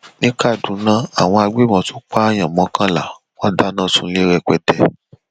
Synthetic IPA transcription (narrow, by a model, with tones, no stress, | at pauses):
nĩ˦ka˦˨dũ˨˦nã˦a̰˨w̃ɔ̃˧a˧ɡ͡be˦˨mɔ̃˨˧˦tu˦k͡pa˦a˦j̃ã˨mɔ̃˨˦kã˦la˨ | wɔ̃˦da˦nã˦˨sũ˧˦le˦ɾɛ˧kɛ˧tɛ˧